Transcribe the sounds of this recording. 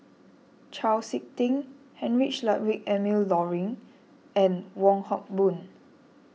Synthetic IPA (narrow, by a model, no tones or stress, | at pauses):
t͡ʃalsik̚tĩŋ | hɛ̃nɹit͡ʃlaʔwikɛmilːɔɹĩŋ | ɛ̃nwɔ̃ŋhɔk̚bũn